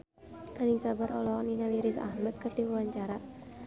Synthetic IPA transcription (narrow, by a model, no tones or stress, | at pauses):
danɪŋsabaɾɔlɔniŋaliɾisa̰hmat̪̚kərdiwuwaɲt͡ʃaɾa